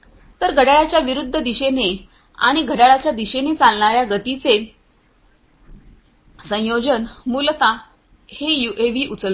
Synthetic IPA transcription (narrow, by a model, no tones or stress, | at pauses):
t̪əɾɡʱəɽaɭat͡ɕjaʋiɾud̪ʱːəd̪iɕene | a̰ɽ̃iɡʱəɽaɭat͡ɕjad̪iɕenet͡salɳaɾjaɡət̪it͡se | sə̃jod͡ʑənmult̪a | hejuʔeʋiːʔut͡səl